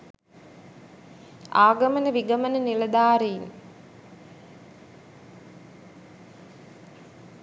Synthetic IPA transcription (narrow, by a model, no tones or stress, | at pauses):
a̰ːɡɐmənəʋiɡəmənənilɐd̪aːɾejin